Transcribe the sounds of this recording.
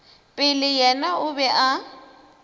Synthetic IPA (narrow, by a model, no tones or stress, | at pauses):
pʼɪlɪjɛnaʊbɛʔa